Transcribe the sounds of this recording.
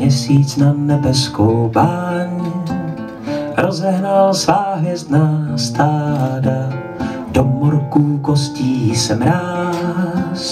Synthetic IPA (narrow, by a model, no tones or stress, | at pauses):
ɛsiːt͡snanɛbɛskʰowbaɲ | ɾozɛɦnalsvaːɦjɛst̪naːst̪ʰaːda | d̥omoɾkukosciːsɛmɾaː | s